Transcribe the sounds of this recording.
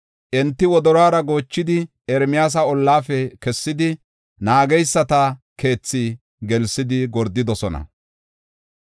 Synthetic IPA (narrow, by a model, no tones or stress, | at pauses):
ʔɛnt̪ːɪwɔd̪ɔɾaːɾɐɡo̞ːt͡ʃːɪd̪ɪ | ɛɾmɪjaːs̬ɐɔlːaːfɛkɛsːɪd̪ɪ | naːɡɛjsːɐt̪ɐke̞ːt͡sːɪ | ɡɛlsɪd̪ɪɡɔɾd̪ːɪd̪ɔsɔnɐ̰